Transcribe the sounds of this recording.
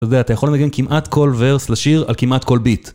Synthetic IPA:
todeaːt̪ajaχolenaɡenkimʔat̪kʰo̞lveʁslaʃiʁa̰lkimʔat̪ko̞lbit̪

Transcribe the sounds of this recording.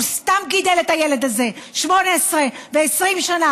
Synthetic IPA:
st̪amɡid̪e̞let̪ajeled̪aze̞ʃmo̞neːsʁeve̞ːsʁimʃana

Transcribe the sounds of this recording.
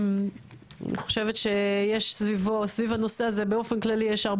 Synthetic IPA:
a̰nḭχo̞̥ʃevet̪ʃe̞jeʃsvivosvivhano̞seaze̞beo̞fenklalijeʃaʁb

